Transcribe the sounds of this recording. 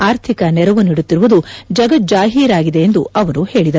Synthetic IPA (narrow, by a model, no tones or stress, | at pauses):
aːɾt̪ʰikɐnɛɾɐʋuniɽut̪ːiɾuʋud̪ud͡ʒɐɡɐt̪̚d͡ʒaːɦiːɾaːɡid̪e̞ːnd̪uʔɐʋɐɾuhe̞ːɭid̪ɐ